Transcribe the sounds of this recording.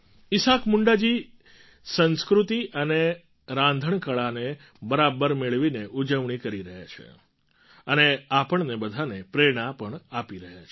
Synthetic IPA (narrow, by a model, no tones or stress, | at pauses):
ɪsakmuɳɖad͡ʒi | sə̃nskɾut̪iʔəne | ɾãnd̪ʱəɳkəɭane | bəɾabəɾmeɭʋineʔud͡ʒəʋɳ̃ikəɾiɾəɦja̰t͡ʃʰḛ | əneapəɳnebəd̪ʱanepɾeɽ̃ãpəɳapiɾəɦja̰t͡ʃʰe